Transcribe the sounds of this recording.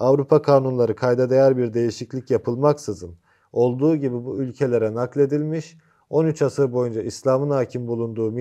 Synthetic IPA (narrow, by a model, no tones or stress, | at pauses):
avɾupʰakʰaːnunlˠaɾɯkʰajd̪ad̪e̞jæɾbiɾd̪e̞jiʃiclʲicjapʰɯlˠmaksɯzɯn | o̞lˠd̪uːɟibibuylʲcʰe̞lʲe̞ɾɛnaklʲˠe̞d̪ilʲmiʃ | o̞nyt͡ʃʰasɯɾbo̞jund͡ʒaʔislʲaːmɯnaːcʰimbulˠund̪uːmi